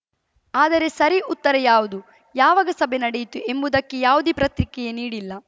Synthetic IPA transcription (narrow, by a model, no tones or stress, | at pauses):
aːd̪ɐɾe̞sɐɾiʔut̪ːɐɾɐjaːʋud̪u | jaːʋɐɡɐsɐbʱenɐɽɛjit̪uʔe̞mbud̪ɐkːejaːʋud̪ipɾɐt̪ɾikɛjeniːɽilːɐ